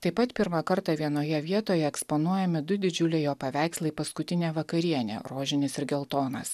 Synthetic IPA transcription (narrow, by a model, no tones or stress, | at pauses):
t̪ɐɪpɐt̪pʲɪɾmɐkɐɾt̪ɑʋʲiɛnoːjɛʋʲiɛt̪oːjɛɛksponuɔjɛmʲɪd̪ʊd̪ʲɪd͡ʒʲʊlʲeːjoːpɐʋʲæˑɪkslˠɐɪpɐskʊt̪ʲɪnʲeːʋɐkɐɾʲiɛnʲḛɾoːʒʲɪnʲɪsɪɾɡʲɛlˠt̪oːnɐs